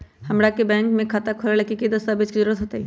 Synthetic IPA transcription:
hɐmɾakebɛ̃ːŋkmẽkʰaːt̪akʰolelekikid̪ɐst̪abeːd͡ʒkizəɾuːɾət̪ɦoːt̪aɦi

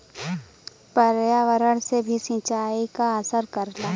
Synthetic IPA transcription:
pəɾjaʋəɾəɽ̃sebʱisĩːt͡ʃaːikaəsəɾkɐɾlaː

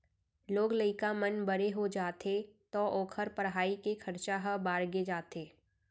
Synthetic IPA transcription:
loːɡləɪkamənbəɾeɦod͡ʒaːt̪et̪ɔʔɔːkʰəɾpəɾɦaːikekʰɐɾt͡ʃaɦəbaːɾɡed͡ʒaːt̪eː

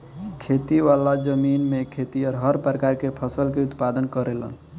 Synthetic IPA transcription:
kʰet̪iʋalad͡ʒəminmekʰet̪iɔɾɦəɾpɾəkaɾkepʰəsəlkeut̪pad̪ənkəɾelə̰n

